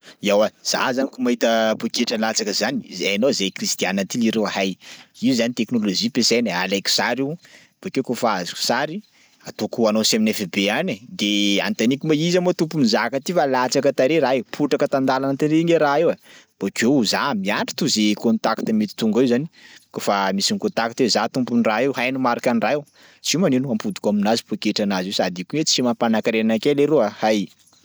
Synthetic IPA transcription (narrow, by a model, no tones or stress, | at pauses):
iawaz̥a̰zanikumaɦit̪əpukeʈ͡ʂəlat͡sakəzanizeanozekrist̪ijanat̪iliɾewahajiuzanit̪eknolozipesejnəa̰lajku̥saɾiw | b̥okekofaazi̥ku̥saɾi | at̪okuanosaminefebeanəd̪ea̰nt̪anikʲumaizamat̪upumizakət̪ifalat͡sakət̪aɾeɾaeupʰuʈ͡ʂakət̪and̪alanət̪eneŋeɾaewab̥okezamiaɳʈ͡ʂi̥t̪uzekont̪aki̥t̪əmet̪i̥t̪uŋɡaewzani̥kofamisinkont̪akit̪ezat̪umpunraewɦajnumaɾakaniraew | t͡simaninuampud̪i̥kaminazi̥pokeʈ͡ʂanazewsad̪ikuɲet͡ssimapanakaɾeanakeleɾuahaj